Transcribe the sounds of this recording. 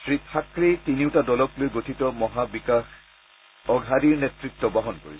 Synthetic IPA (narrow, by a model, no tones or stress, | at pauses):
sɹitʰakɹitiniwtadɔlɔklojɡotʰitɔmɔɦabikax | ɔɡʱadiɹnɛtɹik̚tɔbaɦɔnko̰ɹḭsɔ